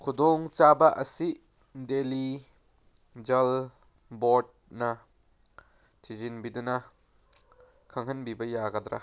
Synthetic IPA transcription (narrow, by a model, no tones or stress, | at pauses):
kʰudɔŋt͡ʃabɐʔɐsi | deli | d͡ʒɐl | bɔɾd̚nɐ | tʰizinbidunɐ | kʰɐŋɦɐnbibɐjaɡɐd̪ɾa̰